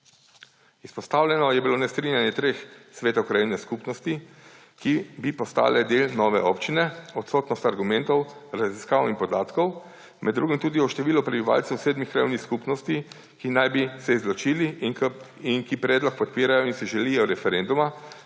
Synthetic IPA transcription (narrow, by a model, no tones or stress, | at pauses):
ispɔst̪aːwlʲjɛnɔjɛbiloːnɛst̪ɾiːnjanjɛt̪ɾeːxsʋeːt̪ɔkɾajinɛskuːpnɔst̪i | kibipɔst̪a̰ːlɛd̪eːlnɔːʋɛ̰ʔɔ̰ːpt͡ʃinɛɔt̪sɔːt̪nɔst̪aɾɡumɛ̃nt̪ɔwɾaziskaːwinpɔd̪aːt̪kɔw | mʔɛ̰d̪ːɾuːɡimt̪uːd̪iɔʃt̪ɛʋiːlɔpɾɛbiʋa̰ːlt̪sɛwsɛːd̪mixkɾajḭwnixskupnɔst̪i | kinajbisɛizlɔt͡ʃiːli | inkipɾɛːd̪lɔk̚pɔt̪̚piːɾajɔinsɛʒɛlijɔɾɛfɛɾend̪uma